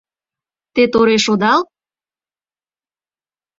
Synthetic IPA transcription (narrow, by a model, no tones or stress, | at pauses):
t̪et̪oɾeʃod̪ɑl